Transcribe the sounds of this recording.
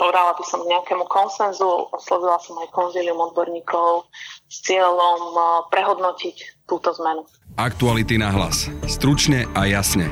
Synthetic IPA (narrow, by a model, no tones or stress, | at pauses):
pɔʋɛd̪alabisɔmɡɲɛakɛːmukɔnsɛnzuɔslɔʋilasɔmajkɔnziːliumɔd̪̚bɔɾɲiːkʰɔʊst͡sɪɛʎɔmpɾɛɦɔd̪nɔcict̪uːt̪ɔzmɛnu | akt̪ualit̪inaɦla̰sst̪ɾut͡ʃɲɛajasɲɛ